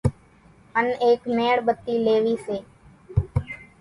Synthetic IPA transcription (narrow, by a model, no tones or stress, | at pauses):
əneːkmeːɽbət̪ːiːleːʋiːseː